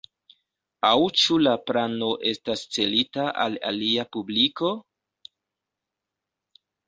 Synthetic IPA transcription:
awt͡ʃulapɾano̞ʔe̞stast͡se̞litaʔa̰la̰liapubliko̞

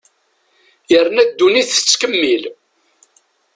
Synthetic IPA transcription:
jəɾnæd̪ːuniθə̥t͡sːkəmːil

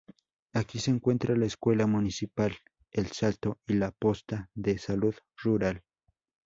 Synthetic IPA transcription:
akiseːŋkwe̞nt̪ɾalaeskwe̞lamunisipal | elsalt̪oilapost̪aðesaluð | ruɾal

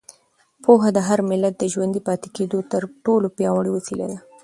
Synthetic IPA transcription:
pʰoɦad̪əɦaɾmɪlːat̪̚d̪əʒwand̪ipɑt̪e̥ked̪ot̪əɾʈolopjɑwaɽəwofila̰d̪a

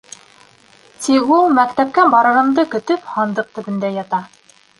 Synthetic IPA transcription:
t̪ikulˠmækt̪æp̚kæbɑɾɤ̆ɾɤ̆md̪ɤkɵ̆t̪ɵphɑnd̪ɤq̚t̪ɵ̆βɘ̆nd̪æjɑt̪ɑ

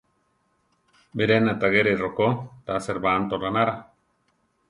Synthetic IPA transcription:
beɾenat̪aɣeɾerokot̪aseɾbant̪oɾanaɾa

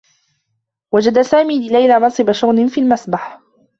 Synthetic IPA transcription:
wad͡ʒad̪asaːmiːlɪlajlamɑnsˤɨbaʃʊɣnɪnfiːlmasbaħ

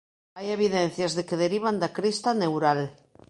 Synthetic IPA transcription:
ajeβ̞iðen̟θjazðekeðeɾiβ̞and̪akɾist̪anewɾal

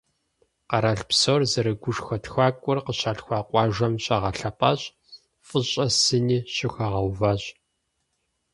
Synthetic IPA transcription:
qɑɾaɬpsoːrzɐɾɨɡʷʊʂxɐtxʷaːkʷʼʊrqəɕaːɬxʷɑːqʷʼɑːʒʷɐmɕʼɐʁɐɬɐpʼɐːɕʼ | fʼɨɕʼɐsɨniːɕɪxɐʁɐwvɐɕʼ

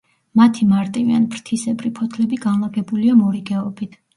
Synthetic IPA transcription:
mat̪ʰimaɾt̪ʼivianipʰɾt̪ʰisɛbɾipʰɔt̪ʰlɛbiɡanlˠaɡɛbuliamɔɾiɡɛɔbit̪ʰ

